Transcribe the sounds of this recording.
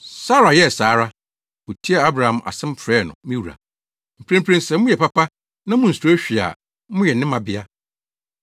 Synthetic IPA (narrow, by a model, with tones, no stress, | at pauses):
sa˦ɾa˨jɛ˦˨saː˨˦ɾa˦ | o˨tʰi˦a˨a˦bɾa˨hã˨mʔa̰˨sɪ̃˦m̩˦pʰɾɛː˦˨nʊ̰̃˨mĩ˦wu˨ɾa̰˨ | m̩˨pʰɾẽ˦m˦pʰɾẽ˦n˦sɛ˦mʊ̃˦jɛ˨pa˦pa˦ | nã˦mʊ̃˦n̩˨su˨˦ɕᶣi˨a̰˨ | mʊ̃˦jɛ˨nɪ̃˦mã˨bɪ˦a˦